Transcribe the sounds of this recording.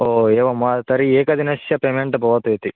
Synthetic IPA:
oːeːʋɐmɐt̪ɐɾieːkɐd̪inɐsjɐpemeɳʈbʱɐʋɐt̪et̪i

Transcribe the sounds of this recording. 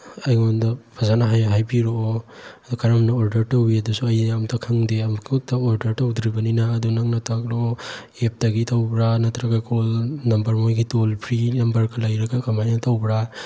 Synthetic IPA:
ɐjŋondɐpʰazanaɦajɦajbiɾoːɐd̪ukʰaɾamnaoɾdɐɾtɐwiɐdusuɐjamtʰakʰaŋdeɐmkʰutʰaoɾdɐɾtɐwd̪ɾibɐninaːd̪unaŋnɐtʰakloː | ep̚taɡitʰawbɾanɐt̪ʰɾaɡakʰolnɐmbɐɾmojɡitolpʰɾinɐmbɐɾkalajɾɐɡakʰamajnɐtʰawbɾa

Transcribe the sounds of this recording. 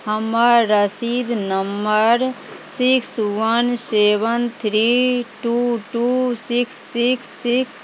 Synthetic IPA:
həməɾːəsid̪nəmbəɾ | sikswənsebənt̪ʰɾiʈuʈusiksːiksːiks

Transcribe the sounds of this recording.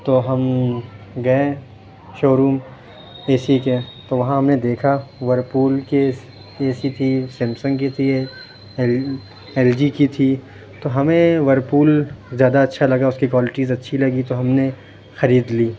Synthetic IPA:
t̪oɦɐm | ɡɐẽ | ʃoːɾuːm | eːsiket̪oʋɐɦãɦɐmned̪eːkʰaʋɐɾpuːlke | eːsit̪ʰisɪ̃msə̃ŋɡkit̪ʰi | ɛːld͡ʒikit̪ʰi | t̪oɦɐmẽʋɐɾpuːlzjaːd̪aɐtːʃʰalɐɡaʊskikwaːlɪʈiːzɐtːʃʰilɐɡit̪oɦɐmne | xɐɾiːd̪liː

